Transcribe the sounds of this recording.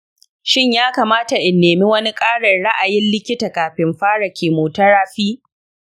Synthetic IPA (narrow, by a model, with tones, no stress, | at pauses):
ʃɪ˦˨ɲjaː˦kaː˨maː˦ta˨ʔɪ˨nːeː˨mi˦wɐ˦ni˦kʼaː˦ɽɐ˨nɽa˦ʔa˨jɪ˦nlɪ˦kʲɪ˦ta˨kaː˨ɸɪ˨mɸaː˦ɽa˨kʲʰeː˨moː˨tɐ˦ɽaː˦ɸiː˦